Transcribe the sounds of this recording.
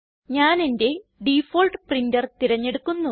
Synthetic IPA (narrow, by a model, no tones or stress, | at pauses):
ɲaːne̞nde̞ɖifoːlʈɨprindɐrt̪iɾɐɲːe̞ɽukːunːu